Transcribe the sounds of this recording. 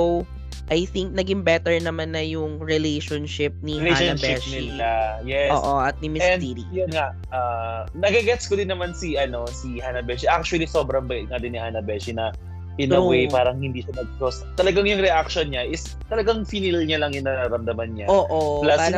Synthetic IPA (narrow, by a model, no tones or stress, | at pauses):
w | ʔɐjθiŋk̚nɐɡɪŋbɛt̪ɛɹnɐmanːɐjʊŋɹɪlejʃonʃɪp̚niheaɐʃbɪʃnɪiajɛoːʔoʔɐt̪̚nimɪsɛnd̪iɾḭjonŋaʔ | ɐ | nɐɡɐɡɛt̪skod̪ɪnːɐmansiʔɐno̞sihanɐbɛʃiʔak̚t͡ʃʊɐliso̞bɾɐŋbɐŋad̪ɪnːihanɐbɛʃinɐ | pɪnɐwejpaːɾɐŋhɪnd̪iːʃɐnɐɡ̚tost̪ɐlɐɡaŋjʊŋɾɛʔak̚ʃɔnɲaʔɪs | t̪ɐlɐɡaŋfinɪlɲalɐŋjʊnɐɾaɾɐmd̪ɐmanɲaʔoːʔolaːpaːɾɐ